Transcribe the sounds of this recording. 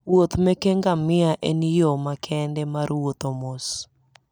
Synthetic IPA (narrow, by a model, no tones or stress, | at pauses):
wot̪mɛkeŋɡamɪaʔenijomakʰɛndɛmaɾwot̪omos